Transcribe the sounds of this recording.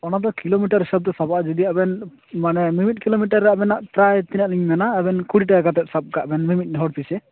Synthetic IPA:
ɔnad̪ɔkilomiʈaɾɦisab̚d̪ɛsabaʔd͡ʒid̪iabɛn | manɛmimit̚ˀkilomiʈ̬aɾːaʔbɛnaʔpɾajt̪inaʔliŋmɛnaɛbɛnkuɽiʈ̬aaɡat̪ɛt̪̚sab̚ɡaʔbɛnmimit̚ˀnɦɔɽp̪isɛ

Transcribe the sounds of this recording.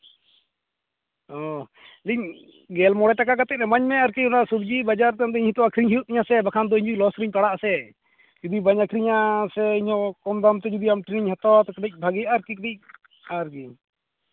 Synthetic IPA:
ɔ | liɲ | ɡɛlmɔɽɛʈakakat̪ɛc̚ɾɛmaɲmɛaɾkiunasubd͡ʒibad͡ʒaɾt̪and̪ɛiɲht̪ɔakʰɾiɲɦijut̪̚iɲasɛbakʰand̪ɔiɲd͡ʒulɔsɾiɲp̪aɽaʔsɛ | d͡ʒud̪ibaɲakʰɾiɲasɛiɲɔ̃kɔmd̪amt̪ɛd͡ʒud̪iamʈiɾiɲhat̪ɔat̪ɛkʈic̚ˀbʱaɡijaʔaɾkikdic̚ | aɾki

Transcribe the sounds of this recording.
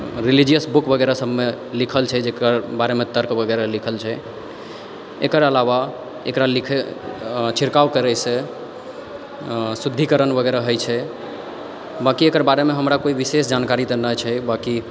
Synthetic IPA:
ɾilid͡ʒijəsbukbəɡɛɾasəbʱme | likʰəlt͡ʃʰɛd͡ʒekəɾbaɾemet̪əɾkbəɡɛɾalikʰəlt͡ʃʰɛ | ḛkəɾəlaβa | ḛkɾalikʰ | t͡ʃʰiɾkawkəɾɛjse | sud̪ʱːikəɾənbəɡɛɾaɦəjt͡ʃʰɛ | bakiekəɾbaɾemeɦəmɾakoibisesd͡ʒankaɾit̪ənət͡ʃʰɛbaki

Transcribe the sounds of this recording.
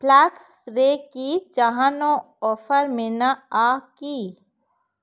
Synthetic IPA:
plaːksɾeːkit͡ʃaɦãːnõ | ɔːfəɾmenaaːkiː

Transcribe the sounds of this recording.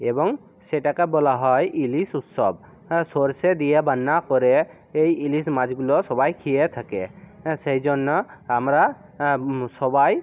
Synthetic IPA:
ebɔŋ | sɛʈakabɔlaɦɔjʔilisut̪sɔb̚ | sɔɾsed̪ijabanːakɔɾɛ | ejilismad͡ʒɡulɔsɔbajkʰijet̪ʰakesejd͡ʒɔnːɔːmɾa | sɔbaj

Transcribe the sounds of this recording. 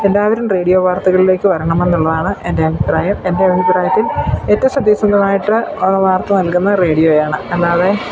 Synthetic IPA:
end̪aːʋiɾɐmre̞ːɽijo̞ːʋaːrt̪ɐɣɐɭile̞ːkːɨʋɐɾɐɳɐme̞nːuɭːɐðaːɳɨʔe̞ndeɐʋipɾaːjɐme̞nde̞ɐʋinipɾaːjɐt̪ːiletːɐʋɐsɐd̪iːsɐnd̪ɐmaːjiʈːɨʋaːrt̪ːɐnɐlkunːɐre̞ːɽijo̞ːjaːɳɨɐlːaːðe

